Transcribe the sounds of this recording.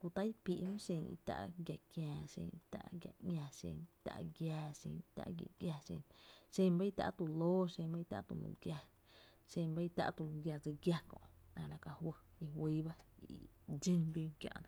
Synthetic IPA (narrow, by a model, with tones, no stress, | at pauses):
ku˧t̪a˦jpi˧˨ʔhũ˦ʃẽ˧˨ŋḭ˧t̪a̰˧˨ʔɡʲja˨kjãː˧ʃḛ̃˧˨˧t̪a̰˧ʔɡʲja˧˨ŋʲã˧ʃḛ̃˧ŋ˧t̪a̰˧˨ʔɡjaː˧ʃḛ̃˧ŋ˧t̪a̰˧ʔɡjḭ˧˨ʔɡja˧ʃḛ̃˧ʃẽ˧mba˦i˦˧t̪a̰˧ʔt̪u˧loː˦ʃẽ˧mba˦i˦˧t̪a˧ʔt̪ṵ˧˨lṵ̃˧˨ɡja˧ | ʃẽ˧ba˦i˦˧t̪a̰˧ʔt̪u˧lũ˧ɡʲja˧˨d͡zɨ˧ɡja˧kɔ̰̃˧ʔnã˧˨lã˧ka˧hwə˧i˧hwiː˦ba˦i˨d͡ʒĩ˧ŋbji˧kjã̰˧ʔnã˧